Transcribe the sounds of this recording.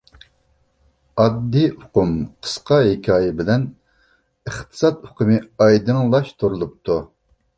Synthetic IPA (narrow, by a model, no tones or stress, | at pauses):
ɑd̪ːiʊqʰumqʰə̥sqɑɦɪkʲʰɑːjɛbɪlɛn | əχt̪ʰɨ̥sɑt̪ʊqʰɨmɨɑjd̪ɨŋlˠɑʃt̪ʰuɾulˠup̚t̪ʰu